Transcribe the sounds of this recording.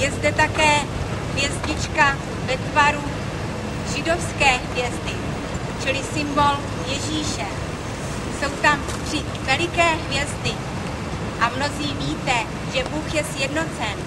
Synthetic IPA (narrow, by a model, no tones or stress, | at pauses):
jɛzdɛt̪akɛː | ɦvjɛzɲɪt͡ʃka | vɛt̪vaɾu | ʒɪdo̞fskɛːɦvjɛzd̪ɪ | t͡ʃɪlɪsɪmbo̞l | jɛʒiːʃɛ | so̞wt̪am | tr̥ɪ | vɛlɪkɛːɦvjɛzd̪ɪ | ʔamno̞ziːviːt̪ɛ | ʒɛbuːxjɛsjɛdno̞t͡sɛn